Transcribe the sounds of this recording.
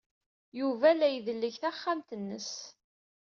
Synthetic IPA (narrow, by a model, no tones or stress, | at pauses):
juvælæjðəlːəçθæχːamt̪ənːə̰s